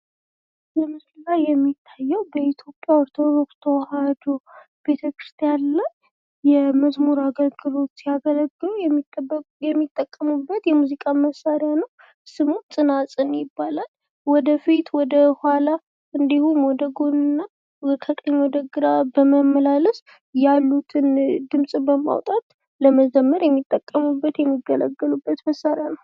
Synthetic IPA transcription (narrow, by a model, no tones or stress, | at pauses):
jɛmɨsllajːɛmːit̪ʰːajːɛwbəit̪ʰjo̞pʼjaoɾt̪ʰo̞d̪o̞kst̪ʰəwhad̪o | b̥e̞t̪ʰəkɾɨ̥st̪ʰijanlaj | jɛməzmuɾaɡəlɡɨlo̞t̪sijaɡələɡːɨ | jɛmːit̪ʼːəkʼːəmubːət̪jɛmuzikʼaməsːaɾjanuw | sɨmunsʼɨnasʼɨnjɪbːalal | wɔd̪əfit̪wɔd̪əhala | ɨnd̪ihumwɔd̪əɡonɨnːa | əkʰəkʼəɲːwɔd̪əɡɨɾabəməmːəlaləs | jalːut̪ʰɨnd̪ɨmsʼbəma̰wt̪ʼat̪ | ləməd͡ʒəmːəɾjɛmːit̪ʼːəkʼːəmubːət̪jɛmːiɡələ̰ɡːəlubːət̪məsːaɾjanəw